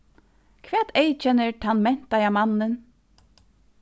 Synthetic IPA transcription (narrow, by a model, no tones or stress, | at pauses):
kʰʋɛːt̪ʰejt͡ʃɛnːəɹt̪ʰanmɛn̥t̪ajamanːən